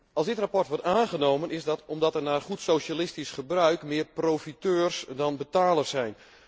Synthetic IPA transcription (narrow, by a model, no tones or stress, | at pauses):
ɑlˠzdɪtrapɔrtʋɔɹtaːnɣənowmənɪzdɔtɔmdɔtɛrnaːrχutsowʃalɪstisχəbrœɥkmɪːprowfitøːrsdɔnbətaːlərsɛjn